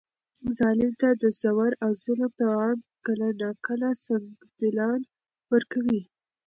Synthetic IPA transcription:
zɑlɪmt̪ad̪əsawaɾawzɪlmd̪awɑnkəlanɑkəlasaŋ | d̪ɪlɑn | wəɾkawi

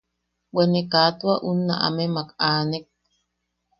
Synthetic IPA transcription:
wenekat̪waʔunːa̰ʔa̰memakaːnek̚

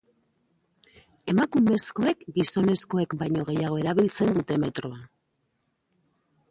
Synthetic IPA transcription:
e̞makume̞sko̞e̞kɡiso̞ne̞sko̞e̞kbajɲo̞ɣe̞jaɣ̞o̞e̞ɾaβ̞ilt͡se̞nd̪ut̪e̞me̞t̪ɾo̞a

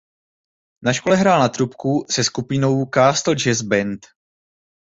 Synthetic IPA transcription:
naʃkolɛɦɾaːlnat̪ɾupkusɛskupɪno̞wkaːst̪l̩d͡ʒɛzbɛnt̪

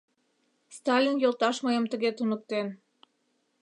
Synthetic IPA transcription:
st̪ɑlʲinjolˠt̪ɑʃmɤjəmt̪ə̆ɣet̪unək̚t̪en

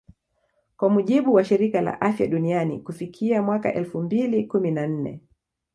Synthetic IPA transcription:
kwamuʄiɓuwaʃiɾikala̰ʔafja̰ɗunianḭkufikʰiamwaka̰ʔɛlfumbilikuminan̩nɛ̰

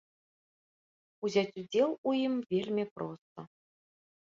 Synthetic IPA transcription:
uzʲat͡sʲud͡zʲelˠujimvʲelʲmʲipɾɔst̪ə

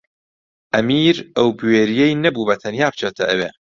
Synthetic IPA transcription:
ʔɐmiːɾʔɐwbweːɾijejnɐbuːbɐt̪ʰɐnjaːp̚ʰt͡ʃʰet̪ʰɐʔɐwḛ

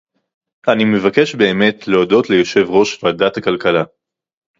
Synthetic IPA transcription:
animevake̞ʃbe̞ːme̞tleodo̞tle̞jo̞ʃe̞vʁo̞ʃvadatakalkala

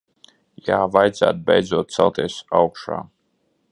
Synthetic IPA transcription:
jaːvajd̪zæ̰ːt̪̚bɛjd̪zuɔːt̪̚t̪sɛlˠt̪iːsawkʃa̰ː

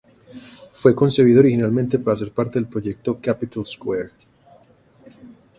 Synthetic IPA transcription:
fwe̞ko̞nse̞βiðooɾixinalment̪e̞paɾaːs̬e̞ɾpaɾt̪e̞ðelpɾo̞ʝe̞k̚t̪o̞kapit̪alskweɾ

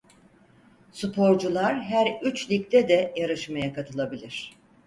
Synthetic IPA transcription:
supʰo̞ɾd͡ʒulˠaɾɦæɾyt͡ʃlʲic̚t̪ʰɛd̪ɛjaɾɯʃmajakat̪ʰɯlˠabilʲiɾ̝̥

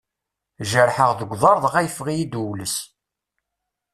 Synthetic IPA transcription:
ʒəɾħəʁðəɡʷðˤɑɾˤðˤʁæjəfʁijid̪uwləs

